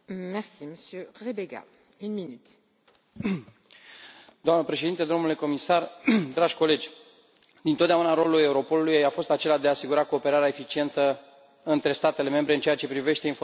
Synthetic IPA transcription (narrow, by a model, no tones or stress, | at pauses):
mɛʁsiməsjøʁebeɡa̰ | ynminyt̪ | d̪oamnəpɾe̞ʃe̞d̪int̪ed̪o̞mnule̞ko̞misard̪ɾaʒʲko̞le̞d͡ʒʲ | d̪̥int̪ot̪d̪eaunaɾo̞luluje̞uɾo̞po̞lulujjafo̞st̪at͡ʃe̞lad̪eaːsiɡuɾako̞ːpe̞ɾaɾeaefit͡ʃie̞nt̪ə | ɨnt̪ɾe̞st̪at̪e̞le̞me̞mbɾe̞ɨnt͡ʃeat͡ʃe̞pɾive̞ʃt̪e̞info